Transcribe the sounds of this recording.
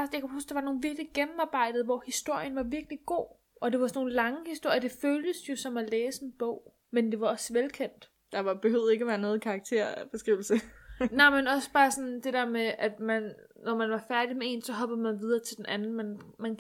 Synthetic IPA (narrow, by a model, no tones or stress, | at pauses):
sjäkʰæhusd̥ɑ̈ʋɑ̈no̝ːn̩ʋiɐɡ̥liɡ̥emm̩ɑ̈ːb̥ɑ̈ɪ̰d̥ð̩ˠʋɒhisd̥o̝ɐ̰jənʋɑ̈ʋiɐɡ̥liɡ̥o̝̰ː | ʔɒ̽d̥e̝ʋɑ̈sno̝ːn̩lɑ̈ŋəhisd̥o̝ɐ̰jɐd̥e̝føːld̥əsjo̝sɒ̽mæleːsəe̝nb̥ɔ̰ʊ̰ | mend̥e̝ʋɑ̈ɒ̽sʋelkʰen̰d̥ | d̥ɑ̈ʋɑ̈b̥ehøeɡ̥æʋæːɐnɔ̽ːð̩ˠkʰɑ̈ːɡ̥̚t͡sʰe̝ɐ̰b̥e̝sɡ̥ʁiʊl̩sənɑ̈ɪ̰menɒ̽sə̥b̥ɑ̈ːsɒ̽nd̥e̝d̥eɐ̰meʔæd̥mænː | ɒmænʋɑ̈fæɐd̥imee̝̰nsɒ̽ɦɒ̽b̥ð̩ˠmænʋið̞ˠɐːt͡sʰe̝ldenʔænn̩mænmæn